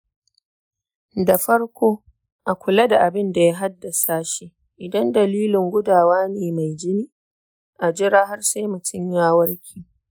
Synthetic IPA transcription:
da˨ɸɐ˦ɽkʷoː˦ | ʔa˨kʷʊ˨la˦da˨ʔa˨bɪ˦nda˨ja˦ɦa˦dːa˨saː˦ʃi˦ | ʔɪ˨dɐ˦ndɐ˨liː˦lɪ˨ŋɡʷʊ˦daː˨waː˦neː˨ma˨jd͡ʒɪ˦niː˦ | ʔa˨d͡ʒɪ˦ɾaː˦ɦa˦rse˦mʊ˨t͡ʃɪ˦ɲjaː˦wɐ˦rkʲʰiː˨

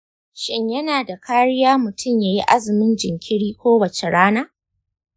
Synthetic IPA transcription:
ʃɪ˦ɲjɐ˦naː˨da˨kʰaː˦ɽɪ˦jaː˦mʊ˨tʰʊ˦˨mjaː˦ji˦ʔa˦zɪ˨mɪ˦nd͡ʒɪ˨ŋkʲɪ˦ɽiː˦kʷoː˦wɐ˨t͡ʃe˨ɽaː˦naː˦

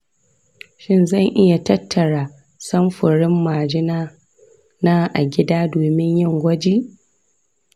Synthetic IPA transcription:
ʃɪ˦nzɐ˦˨ŋʔɪ˦ja˨tɐ˦tʰːɐ˨ɽaː˨ | sɐ˦mɸʊ˨ɽɪ˦mːaː˨d͡ʒɪ˦na˦ | na˦ʔa˨ɡʲɪ˦daː˦doː˨mɪ˦ɲjɪ˦˨ŋɡʷɐ˦d͡ʒiː˦

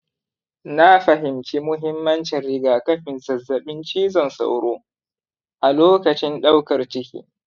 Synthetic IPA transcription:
na˦ɸɐ˨ɦɪ˨mt͡ʃi˦mʊ˦ɦɪ˦mːɐ˦nt͡ʃɪ˨rːɪ˨ɡaː˨kɐ˦ɸɪ˨nzɐ˨zːɐ˨ɓɪ˦nt͡ʃiː˦zɐ˨nsa̰˨wɽoː˦ | ʔa˨loː˦kɐ˨t͡ʃɪ˦nɗa˦wkɐ˨rt͡ʃɪ˦kʲḭː˨

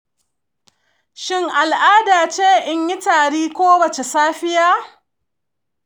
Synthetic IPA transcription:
ʃɪ˦ŋʔa˨lʔaː˦daː˨t͡ʃeː˦ʔɪ˦ɲji˦taː˨ɽiː˦kʷoː˦wɐ˨t͡ʃe˨saː˦ɸɪ˦jaː˦

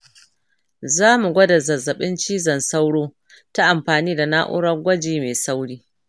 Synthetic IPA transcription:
zaː˦mu˨ɡʷɐ˦dɐ˨zɐ˨zɐ˨ɓɪ˦nt͡ʃiː˦zɐ˨nsa˦wɽoː˦ | ta˦ʔa˨mɸaː˨niː˦da˨naː˦ʔʊ̰˦ɽɐ˦rɡʷɐ˦d͡ʒiː˦meː˨sa˦wɽiː˦

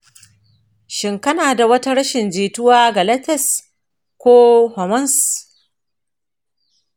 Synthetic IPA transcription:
ʃɪ˨ŋkɐ˦naː˨da˨wɐ˦ta˦ɾɐ˦ʃɪ˨nd͡ʒeː˨tʊ˦waː˦ɡɐ˨lɐ˦tɛ˦˨s | kʷoː˦hɔ˨mɐ˦ns

